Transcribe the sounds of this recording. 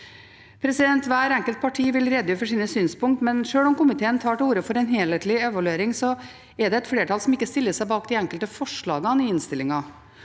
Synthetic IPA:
pʰɾɛsɪd̪ɛnt̪ʋæːɾɛŋkəlt̪̚pʰɑʈʰiːʋɪlɾɛd̪ːʉːfɔʂiːnəsyːnspʊŋkt̪mɛnʂøːɭɔmkʊmɪt̪ʰeːənt̪ʰɑːʈuːɾəfɔɾɛnɦeːleːt̪lɪɛʋɑlʉeːɾɪŋsɔ | ɛɖɛɛt̪fleːʈʰɑlsɔmɪkːəst̪ɪlːəʂæɪbɑːkd̪ɪɛŋkəlt̪əfɔʂɭɑːɡɑnɪɪnst̪ɪlːɪŋɑ

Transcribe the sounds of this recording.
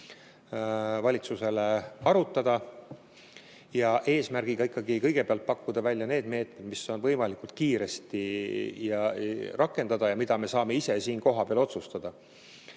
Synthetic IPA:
vɑlʲit̪suse̞leɑɾut̪ːˑɑd̪̥ɑ | jɑʔe̞ːsmærɡ̥iɡ̥ɑikːɑɡikɤjɡ̥e̞peɑlt̪̚pɑkːud̪̥ɑvælʲjɑne̞ːd̪me̞ːt̪me̞d̪̥misːo̞nvɤjmɑlikult̪̚kiːɾe̞st̪ijɑrʔɑkˑːe̞nd̪ɑd̪̥ɑjɑmid̪̥ɑme̞sɑːme̞ise̞siːnko̞ɦɑbeɑlo̞t̪sust̪ɑd̪̥ɑ

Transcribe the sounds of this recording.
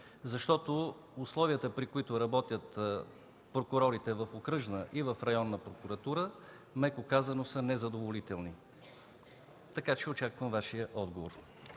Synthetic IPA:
zɐʃt̪ɔt̪o | uslˠɔviət̪əpɾikʊit̪ʊɾɐbɔt̪ʲjət̪ | pɾokʊɾɔɾit̪ɛvəfokɾɤʒnəʔivəfɾɐjɔnːəpɾokuɾɐt̪uɾə | mɛkokazɐnosənɛzɐd̪ovolit̪ɛlˠni | t̪ɐkat͡ʃɛot͡ʃakvəmvaʃijəʔɔd̪ɡovo̰ɾ

